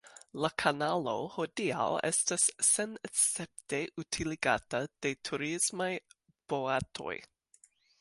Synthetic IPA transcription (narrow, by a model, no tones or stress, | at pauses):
lakʰanalo̞̰ho̞dia̰wḛstasːenesep̚teʔutʰiliɡa̰tad̥e̞tʰuɾismaj | b̥oatʰo̞̰j